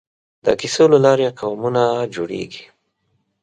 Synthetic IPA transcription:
d̪ə̰kisolalɑɾeqawmunad͡ʒoɽḛɡi̥

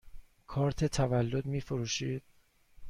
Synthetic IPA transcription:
kʰɒːɾt̪ʰet̪ʰævælːod̪miːfoɾuːʃiːd̪̥̚

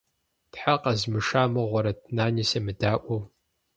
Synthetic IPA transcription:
tħaqɐzmɨʂaːmɨʁʷɔɾɐt̚ʰnaːnisɐmɨdaːʔʷɔw

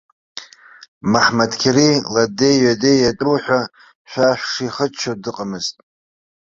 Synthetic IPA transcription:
maħmadkʲʰeriladejɥadejjatʼuwħʷᶣa | ʃᶣʷaħʷᶣʂiχət͡ʃʰodɨqʼamɨztʼ

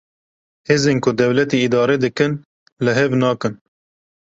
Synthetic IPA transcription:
heːzeːnkʊd̪ɛwlɛt̪iid̪ɑːɾɛd̪ɨkɨn | lɨɦɛvnɑːkɨn

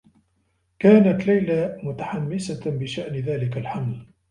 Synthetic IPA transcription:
kaːnat̪lajlamʊt̪aħamːɪsabɪʃaʔnðaːlɪkalħaml

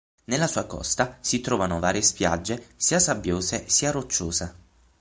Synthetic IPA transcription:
nelːasuːakɔ̰st̪asit̪ɾɔːvanovaːɾjespja̰d͡ʒːesiːasabːjoːzesiarot͡ʃːoːze

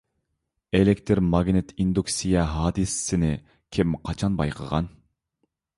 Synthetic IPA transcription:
elekʲt̪ʰɨɾmɑɡʲnɪt̪ʰind̪uksijɛɦɑːd̪ɨsɪ̥sɪnɪ | kʲʰɪmqʰɑt͡ʃʰɑnbɑ̰jqʰə̰ʁɑ̰n

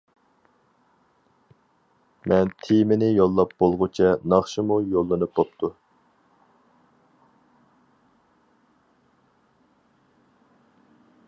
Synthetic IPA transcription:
mɛnt̪ʰijmɪnɪjolˠːɑp̚b̥olˠʁʊt͡ʃʰɛnɑχʃimujolˠːɨnɨp̚bop̚t̪ʰu

